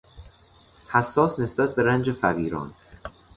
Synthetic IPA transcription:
hæsːɒːsnesb̥æt̪̚be̞ɾænd͡ʒefæviːɾɒ̰ːn

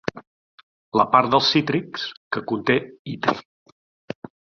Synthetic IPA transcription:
ləpaɾt̪̚d̪əlˠsːit̪ɾikskəkunt̪eit̪ɾḭ

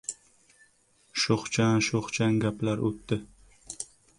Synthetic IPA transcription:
ʃoχt͡ʃʰanʃoχt͡ʃʰaŋɡʲaplaɾʔot̪ːɪ

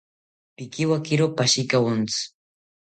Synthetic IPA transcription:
pɪkɪwakɪɾopaʃikawʊnt͡s

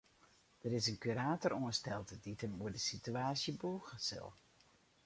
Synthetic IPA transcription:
d̥əɾɪsənkyɾaːtɔruənstɛlˠtəditʰəmuədəsityaːsjəbuːɣəsɪ̰lˠ

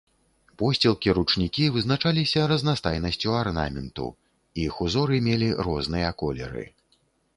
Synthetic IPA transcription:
pɔsʲt͡sʲɛlˠkʲiɾut͡ʂnʲikʲivɨznat͡ʂalʲisʲɐɾɐznast̪ajnɐsʲt͡sʲuarna̰mʲɛnt̪ṵ | ixuzɔɾɨmʲelʲirɔznɨjɐkɔlʲɛ̰ɾɨ̰

